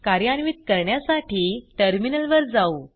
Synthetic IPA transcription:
kaɾjanʋiːt̪̚kəɾɳjasaʈiːʈəɾminəlʋəɾd͡zau

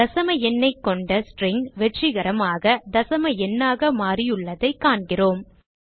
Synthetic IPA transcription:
d̪ɐsɐmɐɛnːɐɪkːɔɳɖɐsʈrɪŋɡʋɛʈrɪɣɐɾɐmaːɣɐd̪ɐsɐmɐɛnːaːɣɐmaːrɪjɯɭːɐðɐɪkːaːɳɡɪroːm

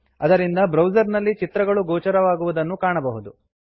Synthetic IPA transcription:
ɐd̪ɐɾind̪ɐbɾɐwd͡ʒɐɾnɐlːit͡ʃit̪ɾɐɡɐɭuɡoːt͡ʃɐɾɐʋaːɡuʋud̪ɐnːukaːɳɐbɐɦud̪u

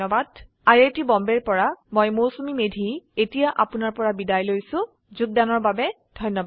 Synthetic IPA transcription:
ɔbad | aɹetibɔmbɛɹpɔɹamɔjmosumimedʱietijaʔa̰pʊnaɹpɔɹabidajlojsʊ̃ | zuɡ̚danɔɹbabɛ | dʱɔjnːɔba

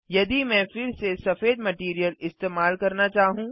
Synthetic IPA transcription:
jɐd̪imɛ̃ːfɪɾsesɐfeːd̪mɐʈiːɾijəlɪst̪eːmaːlkɐɾnat͡ʃaːɦũː

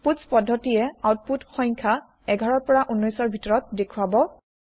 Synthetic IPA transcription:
putspɔdʱːɔtijɛawt̚putxɔjŋkʰa | ɛɡʱaɹɔɹpɔɹaʔunːɔjsɔɹbʱitɔɹɔt̚dekʰuwabɔ

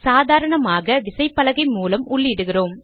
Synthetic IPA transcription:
saːðaːɾɐɳɐmaːɣɐʋɪsɐɪpːɐlɐɣɐɪmuːlɐmʊɭːɪɽɯɣɪroːm

